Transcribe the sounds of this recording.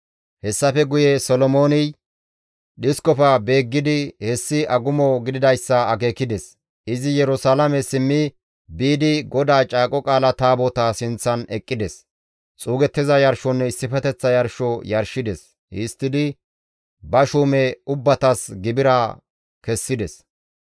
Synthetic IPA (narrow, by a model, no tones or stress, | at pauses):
hɛsːɐfɛɡʊjɛsɔlɔmo̞ːnɪj | ɗɪskɔfɐbe̞ːɡːɪd̪ɪhɛsːɪʔɐɡʊmɔɡɪd̪ɪd̪ɐjsːɐɐke̞ːkːɪd̪ɛs | ʔɪzɪjɛɾʊsaːlɐmɛsɪmːɪ | biːd̪ɪɡɔd̪aːt͡ʃʼaːkʼɔkʼaːlɐt̪aːbɔt̪aːsɪnt͡sːɐnɛkʼːɪd̪ɛs | t͡sʼuːɡɛt̪ːɪzɐjɐɾʃɔnːɛɪsːɪfɛt̪ɛt͡sːɐjɐɾʃɔjɐɾʃɪd̪ɛs | hɪst̪ːɪd̪ɪ | bɐʃuːmɛʊbːɐt̪ɐsɡɪbɪɾɐ | kɛsːɪd̪ɛs